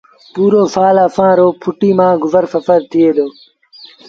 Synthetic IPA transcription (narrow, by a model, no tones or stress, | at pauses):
puːɾoːsaːləːfãːɾoːpʰʊʈiːmãːɡʊzəɾfəfəɾt̪ʰɪeːd̪oː